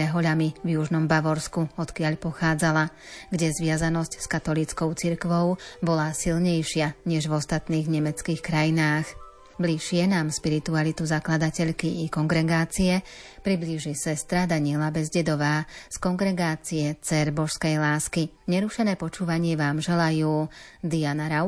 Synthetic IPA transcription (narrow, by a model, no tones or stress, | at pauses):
ɛɦɔʎamivjuʒnɔmbaʋɔɾskuɔt̪kɪaʎpɔxaːd͡zala | ɡɟɛzʋɪazanɔscskat̪ɔlit͡skɔʊt͡siɾkʋɔʊbɔlasilɲɛjʃɪaɲɛʒʋɔst̪at̪niːɣɲɛmɛt͡skiːxkɾajinaːx | bliʃɪɛnaːmʃpiɾit̪ualit̪uzaklad̪acɛʎkiʔːkɔŋɡɾɛɡaːt͡siɛ | pɾibliʒisɛst̪ɾad̪aɲɪɛlabɛzɟɛd̪ɔʋaːskɔŋɡɾɛɡaːt͡siɛt͡sɛɾbɔʃskɛjlaːski | ɲɛɾuʃɛnɛːpɔt͡ʃuːʋaɲɪɛʋaːmʒɛlajuːd̪ianaɾa